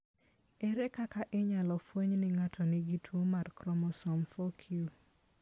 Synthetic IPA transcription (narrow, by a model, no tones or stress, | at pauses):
ɛɾɛkakaʔɪɲalɔfwoɲnɪŋatʰɔnɪɡitʰwomarkɾɔmɔsɔmfokʰiu